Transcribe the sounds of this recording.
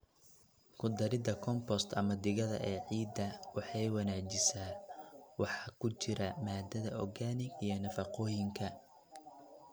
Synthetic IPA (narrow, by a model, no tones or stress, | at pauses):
kʰʊd̪ɐɾɪd̪ɐkʰɔmpɔst̪ʰɐmɐd̪ɪɣɐðɐ̰ʔɛːʕiːd̪ːɐwɑħɑjwɑnaːt͡ʃɪsaːwɑħɑːkʰʊt͡ʃɪɾɐmaːd̪ɐðɐʔɔɡaːnɪɡijɞnɐfɑqɔːjɪŋkʰɐ